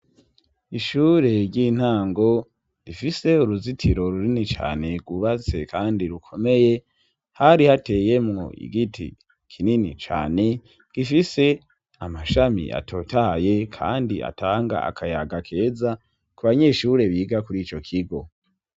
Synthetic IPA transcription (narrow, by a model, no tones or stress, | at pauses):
iʃuːɾe̞ɾɟiːn̥haːŋɡo̞ | ɾifise̞uɾuzitʰiɾo̞ɾuɾinit͡ʃa̰ːne̞ɡuβat͡se̞kʰaːndiɾukʰo̞me̞je̞ | haɾihate̞je̞mŋo̞̰ḭɡitʰḭ | kʰininḭt͡ʃa̰ːne̞ | ɡ̥ifise̞ | amaʃamḭʔa̰tʰo̞taje̞kʰa̰ːndia̰tʰaːŋɡa̰a̰kʰajaɡakʰe̞ːza | kuβaɲe̞ːʃuɾe̞βiːɡakuɾiːt͡ʃo̞kʰiɡo̞